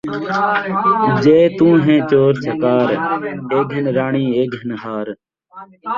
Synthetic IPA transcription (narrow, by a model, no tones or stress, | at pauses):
d͡ʒeːt̪ũːɦẽːt͡ʃoːɾsʰəkaːɾeːɡʱənɾaːɳiːeːɡɦənɦaːɾ